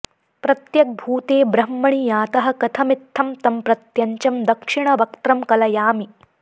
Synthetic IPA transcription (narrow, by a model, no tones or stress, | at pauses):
pɾɐt̪jɐk̚bʱuːt̪eːbɾɐmːɐɳ̃ijaːt̪ɐɦɐ̆kɐt̪ʰɐmit̪ʰːɐmt̪ɐmpɾɐt̪jɐɲt͡ʃɐmd̪ɐkʂiɳ̃ɐʋɐk̚t̪ɾɐmkɐlɐjaːmi